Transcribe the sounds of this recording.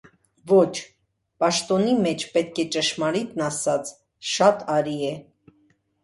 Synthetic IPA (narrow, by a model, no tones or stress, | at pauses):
vɔt͡ʃʰ | pɑʃt̪ɔnimɛt͡ʃʰpɛt̪kʰɛt͡ʃəʃmɑɾit̪nɑsɑt͡sʰ | ʃɑt̪ʰɑɾiɛ